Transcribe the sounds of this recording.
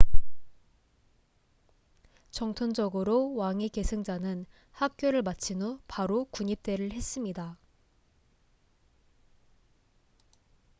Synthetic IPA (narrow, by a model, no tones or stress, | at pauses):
t͡ɕʌŋtʰond͡ʑʌɡɯɾowaŋike̞sʰɯŋd͡ʑanɯn | hak̚k͈joɾɯɭmat͡ɕʰinopaɾokuɲip̚t͈e̞ɾɯɭhe̞s͈ɯmɲida